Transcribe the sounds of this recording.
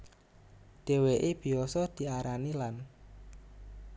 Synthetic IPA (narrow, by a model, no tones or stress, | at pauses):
ɖ̪̥e̤weʔeb̥i̤ɔsɔd̪̥i̤aɾanilan